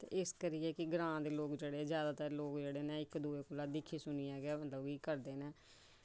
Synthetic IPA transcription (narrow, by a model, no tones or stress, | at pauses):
t̪ḛʔɪskəɾiːɛːkɪɡɾãːd̪eːloːkd͡ʒeːɽeːzjaːd̪aːt̪əɾloːkd͡ʒeːɽeːnɛ̃ːɪkd̪uːeːkʊlːaːd̪ɪkʰiːsʊniːɛːɡɛːmət̪ləbiːkəɾd̪eːnɛ̃ː